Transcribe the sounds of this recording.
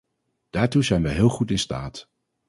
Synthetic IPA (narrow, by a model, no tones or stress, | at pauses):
d̥aːɹtuzɛjnʋəɦɪːlˠχutɪnsta̰ːt